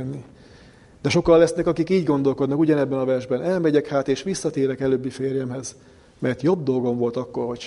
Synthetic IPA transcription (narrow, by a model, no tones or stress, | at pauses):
nːi | d̪ɛʃo̞kɒlːɛsnɛkɒkikiːɟɡo̞nd̪o̞lko̞d̪nɒkuɟɒnɛbːɛnɒvɛrʒbɛnɛlmɛɟɛkhaːt̪eːʃʋisːɒt̪eːɾɛkɛløbːifeːɾjɛmɦɛz | mɛrt̪jo̞bd̪o̞lɡo̞ɱvo̞lt̪ɒkːo̞rho̞c